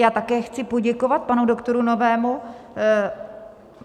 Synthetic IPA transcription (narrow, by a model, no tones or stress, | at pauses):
jaːt̪akɛːxt͡sɪpo̞ɟɛko̞vat̪̚panudo̞kt̪o̞ɾuno̞vɛːmu